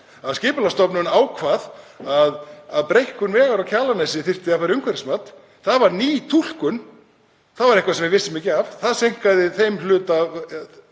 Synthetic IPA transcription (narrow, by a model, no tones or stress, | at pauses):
aðscɪːpʏlast̪ɔpnʏnaːwkʰvaːðaðaðpɾejhkʏnvɛːɣaɾawcʰaːlanajsɪθɪr̥t̪ɪafaːɾɪʏŋkʰvɛɾɪsmat̪ | θaðvaɾniːt̪ʰul̥kʏn | θaðvaɾehkvasɛmvɪvɪsɪmɪːcɪavθaðsejŋ̥kaðɪθejmlʏːt̪av